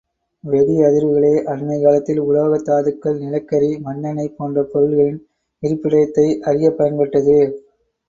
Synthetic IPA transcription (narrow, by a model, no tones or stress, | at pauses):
ʋɛɽiɐðɪɾʋɯɣɐɭeːʔɐɾmɐɪkaːlɐt̪ːɪlʊloːɣɐt̪ːaːðɯkːɐɭnɪlɐkːɐɾimɐnːɐnɐɪpːoːndrɐpɔɾɯɭɣɐɭɪn | ɪɾɯpːɪɽɐjɐt̪ːɐɪʔɐrɪjɐpːɐjɐnpɛʈːɐðɯ